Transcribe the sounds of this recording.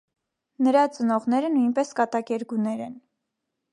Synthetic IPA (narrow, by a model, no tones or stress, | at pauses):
nəɾɑt͡sənɔʁnɛɾənujnpɛskɑt̪ɑkɛɾɡunɛɾɛn